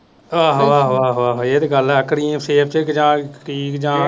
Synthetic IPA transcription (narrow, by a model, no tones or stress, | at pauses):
ʋaːɦaːɦaːɦʋaːɦoeːt̪eɡəlɛkɾiːseːp̚ʰt͡ʃekd͡ʒãːʈʰiːkd͡ʒãː